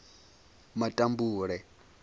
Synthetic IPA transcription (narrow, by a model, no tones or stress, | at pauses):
matʼambuːɺɛ